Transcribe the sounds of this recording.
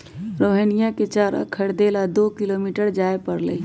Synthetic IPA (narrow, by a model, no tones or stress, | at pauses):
ɾoːɦenijãket͡ʃaːɾa̰kʰəɽd̪elad̪oːkɪlomiːʈəɾd͡ʒaːepəɾlḛ